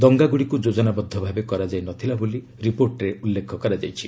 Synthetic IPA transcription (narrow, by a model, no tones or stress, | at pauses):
d̪ɔŋɡaɡuɽikud͡ʒod͡ʒɔnabɔd̪ʱːɔbʱabekɔɾad͡ʒajnɔt̪ʰilaboli | ɾipoɾʈɾeʔulːekʰɔkɔɾad͡ʒajt͡ʃʰi